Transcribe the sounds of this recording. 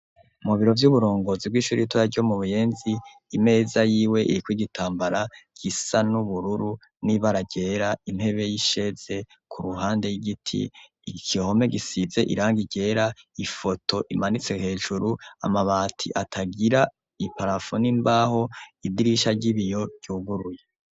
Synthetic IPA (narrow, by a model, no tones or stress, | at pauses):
umuβiɾo̞vjuβuɾo̞ːŋɡo̞zib̚ɡwiːʃuɾitujaɾɟo̞muβuje̞ːnziː | me̞ːzajiːwe̞ʔḭɾikwiːɡitʰaːmbaɾaɡ̥isanuβuɾuɾu | niβaɾaɟeːɾaimhe̞βe̞jiʃe̞z̥e̞ | kʰuɾuɦaːnde̞jiɡitʰḭ | kʰiho̞me̞ɡisize̞ʔḭɾaːŋɡiɟeːɾaifo̞tʰo̞ʔimanit͡se̞he̞ːʒuɾua̰maβaːtʰḭʔatʰaɡiɾa | ipaɾafonimbaːho̞idiɾiʃaɟiβijo̞ɟ̥j̥uːɡuɾuje